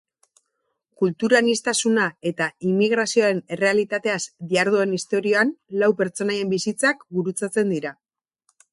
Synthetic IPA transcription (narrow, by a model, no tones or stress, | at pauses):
kult̪uɾanist̪asunae̞t̪aimiɣ̞ɾasioaɾe̞ne̞re̞alit̪at̪e̞asd̪iaɾðue̞nist̪o̞ɾio̞anlawpe̞ɾt͡so̞naje̞mbisit͡sakbuɾut͡sat͡se̞nd̪iɾa